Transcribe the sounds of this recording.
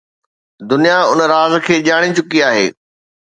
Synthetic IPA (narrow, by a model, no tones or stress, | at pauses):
d̪ʊnijaʊnəɾaːzkʰeːʄaːɽ̃it͡ɕʊkiaːɦḛː